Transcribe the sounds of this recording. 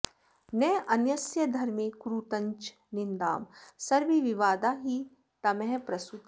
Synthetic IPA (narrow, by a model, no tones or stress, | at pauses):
nɛːʔɐnjɐsjəd̪ʱɐɾmẽkɾuːt̪ɐ̃ɲt͡ʃ | nɪnd̪a̰ːmsɐɾʋiʋɪʋaːd̪aːɦi | t̪ɐmɛːpɾɐst̪ut̪